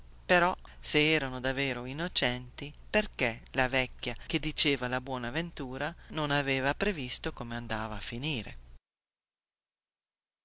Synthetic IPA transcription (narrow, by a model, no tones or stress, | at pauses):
peɾɔseɛːɾanod̪aveːɾoinːot͡ʃɛnt̪iperkelavɛkːjak̟ed̪it͡ʃeːvalabwɔːnaːvent̪uːɾanonaveːvapɾevist̪okomeand̪aːvaːfːiniːɾḛ